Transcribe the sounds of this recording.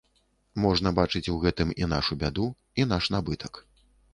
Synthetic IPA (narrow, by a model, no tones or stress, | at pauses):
mɔʐnɐbat͡ʂɨt͡sʲuɣɛt̪ɨmina̰ʂubʲad̪u | in̪aʂnabɨt̪ɐk